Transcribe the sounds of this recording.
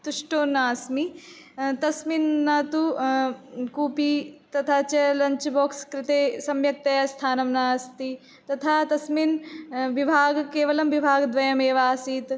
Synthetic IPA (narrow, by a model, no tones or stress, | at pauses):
t̪uʂʈoːnaːsmi | t̪ɐsminːɐt̪u | kuːpit̪ɐt̪ʰaːt͡ʃɐlɐɲt͡ʃboːkskɾɪt̪eːsɐmjɐk̚t̪ɐjɐst̪ʰaːnɐmnaːst̪i | t̪ɐt̪ʰaːt̪ɐsminʋibʱaːɡkeːʋɐlɐmʋibʱaːɡd̪ʋɐjɐmeːʋaːsiːt̪